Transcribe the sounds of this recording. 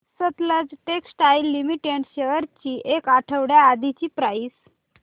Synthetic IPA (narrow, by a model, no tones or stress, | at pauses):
sət̪ləd͡zʈeksʈailːimiʈeɳʈɕeʋəɾt͡ɕiːʔekaʈʰəʋɽjaːd̪ʱit͡ɕiːpɾais